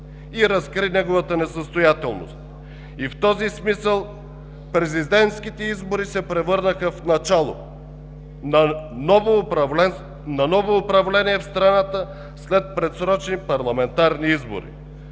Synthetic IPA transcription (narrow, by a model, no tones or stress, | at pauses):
iɾɐskɾinɛɡovət̪ənɛsəst̪ojat̪ɛlˠno̰st̪̚ | ift̪ɔzismisəlˠ | pɾɛzid̪ɛnt̪skit̪ɛizboɾisɛpɾɛvɤɾnəxəfnɐt͡ʃalˠo̰ | nnɔvovlɛ | nɐnɔvoːpɾɐvlɛniɛfst̪ɾanat̪ə | slɛt̪̚pɾɛt̪sɾɔt͡ʃnipɐɾlˠɐmɛnt̪aɾniizbo̰ɾḭ